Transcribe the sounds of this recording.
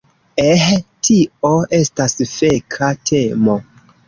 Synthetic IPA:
ehtʰioʔe̞stasfekʰatʰe̞mo̞

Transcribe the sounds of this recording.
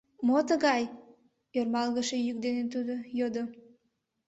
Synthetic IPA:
mot̪əɣɑj | ørmɑlɣəʃejyk̚d̪enet̪ud̪ojod̪o

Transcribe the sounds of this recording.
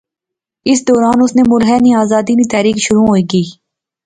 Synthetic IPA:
ɪs̬d̪ɔːɾaːnʊsnemʊɾɦɛnĩaːzaːd̪init̪ɛːɾiːkʃʊɾuɦoːiːkiː

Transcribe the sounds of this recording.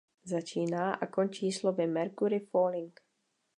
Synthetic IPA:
zat͡ʃiːnaːʔakont͡ʃiːslovɪmɛɾkuɾɪfoːlɪŋk

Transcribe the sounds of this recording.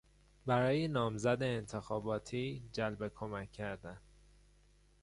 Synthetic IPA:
bæɾɒːjenɒːmzæd̪eːnt̪ʰe̞xɒːbɒːt̪ʰiːd͡ʒælbe̞kʰo̞mæcʰːæɾd̪æn

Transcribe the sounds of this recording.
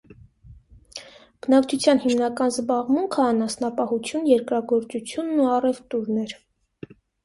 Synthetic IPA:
b̥ənɑkt͡ʃʰut͡sʰjɑnhimnɑkɑnzbɑʁmuŋkʰəɑnɑsnɑpɑhut͡sʰjunjɛɾkɾɑɡɔɾt͡sut͡sʰjunːuɑrɛvt̪uɾnɛɾ

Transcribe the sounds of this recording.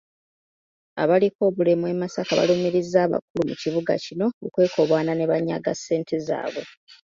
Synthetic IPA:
a̰βaliko̞ːβule̞mwe̞masakaβa̰lumiɾizːaːβa̰k̚ulumuciβuɡa̰cino̞ukwe̞ːkʰo̞βwaːnane̞βaɲːa̰ɡasːe̞ːntʰeza̰ːβe̞

